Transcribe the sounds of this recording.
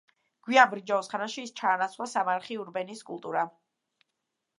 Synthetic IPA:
ɡ̥wiabɾid͡ʒaɔsχanaʃiːst͡ʃʰaːnat̪sʰwasamaɾχiuɾbɛniskʼṵlˠt̪ʼuɾa

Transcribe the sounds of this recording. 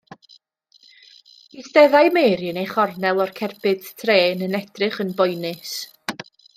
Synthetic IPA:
isdɛðajmejɾjənejχɔrnɛlˠɔrkʰɛrbɨd̥tʰreːnənɛdrɨχənbɔjnɨs

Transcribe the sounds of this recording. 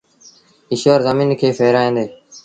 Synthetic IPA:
ɪʃoːɾzəmĩːnkʰeːfeːɾaːẽːnd̪eː

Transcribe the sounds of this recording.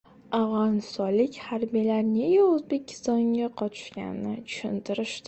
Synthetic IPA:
avʁɒnɪst̪ɒnlɪkʲhaɾbijlaɾne̞ɡʲaɵzbe̞kʲʰːɪ̥st̪ɒŋɡʲaqʰɒt͡ʃʰʊ̥ʃkʲa̰nɪnɪt͡ʃʰʊ̥ʃɪnt̪ʰɪɾɪʃd̪ɪ

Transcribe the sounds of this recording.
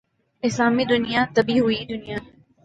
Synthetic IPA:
ɪslaːmiːd̪ʊnɪjaːt̪əbiːɦʊiːd̪ʊnijaː

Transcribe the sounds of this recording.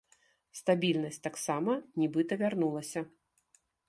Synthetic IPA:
st̪abʲilʲnɐsʲtʲt̪aksamɐnʲibɨt̪ɐvʲarnulˠɐsʲɐ

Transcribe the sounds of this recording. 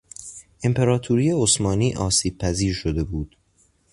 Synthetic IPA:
ʔe̞mpʰeɾɒːt̪ʰuɾiːjeosmɒːniːʔɒːsiːb̥̚pʰæziːɾʃod̪e̞buːd̪̥

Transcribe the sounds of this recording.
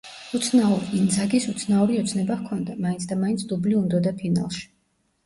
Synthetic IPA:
ut̪sʰnauɾiind̪zaɡisut̪sʰnauɾiɔt̪sʰnɛbahkʰɔnd̪amainsʰd̪amaint̪sʰd̪ubliund̪ɔd̪apʰina̰lˠʃi̥

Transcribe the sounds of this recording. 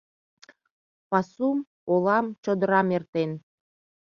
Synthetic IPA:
pɑsum | olɑmt͡ɕod̪əɾɑmert̪en

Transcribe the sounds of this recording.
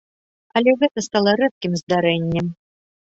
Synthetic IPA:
ɐlʲɛɣɛt̪ɐst̪alˠɐɾɛp̪̚kʲimzd̪aɾɛnʲːɛm

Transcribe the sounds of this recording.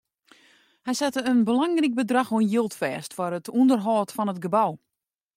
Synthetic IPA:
hɛjsɛtəənbəlaŋrik̚bədraxoənjilˠtfɛːstfɔrətʰundərɦɔːtfɔnət̚ɡəbaw

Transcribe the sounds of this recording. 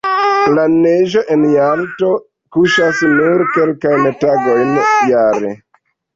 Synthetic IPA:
laneʒoʔenjamto̞ | kuʃasnuɾkelkajntaɡo̞jnjaɾḛ

